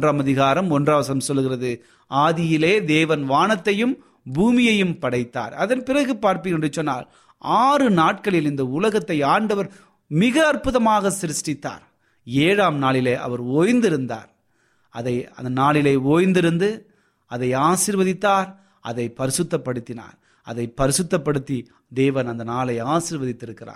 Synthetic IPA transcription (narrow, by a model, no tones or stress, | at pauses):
draːmɐðɪɣaːɾɐmɔndrɐːʋɐsɐnɐmsɔlːɯɣɪrɐðɯ | aːðɪjɪleːd̪eːʋɐnʋaːɳɐt̪ːɐjɯm | buːmɪjɐjɯmpɐɽɐɪt̪ːa̰ːɾɐðɐnpɪrɐɣɯpaːɾpɪɣndrɪt͡ʃːɔnːa̰ːl | aːrɯnaːʈ̚kɐɭɪlɪnd̪ɐʊlɐɣɐt̪ːɐɪaːɳɖɐʋɐɾ | mɪɣɐːrpʊðɐmaːɣɐsɪɾɪsʈɪt̪ːa̰ːɾ | eːɻaːmnaːɭɪleːʔɐ̰ʋɐɾoːjnd̪ɪɾɯnd̪a̰ːɾ | ɐðɐɪɐ̰nd̪ɐnaːɭɪleːoːjnd̪ɪɾɯnd̪ɯ | ɐðɐɪaːsɪɾʋɐðɪt̪ːaːɾ | ʔɐ̰ðɐɪpɐɾɪsɯt̪ːɐpːɐɽɯt̪ːɪna̰ːɾ | ɐ̰ðɐɪpːɐɾɪsɯt̪ːɐpːɐɽɯt̪ːi | d̪eːʋɐnɐnd̪ɐnaːlɐɪaːsɪɾʋɐðɪt̪ːɪɾɯkːɪra̰ː